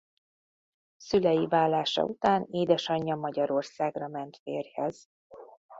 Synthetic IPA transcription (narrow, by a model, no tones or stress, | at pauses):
sylɛjivaːlːaːʃɒ̰ut̪aːneːd̪ɛʃɒɲːɒmɒɟɒɾo̞rsaːɡrɒmɛnt̪feːrhɛz̥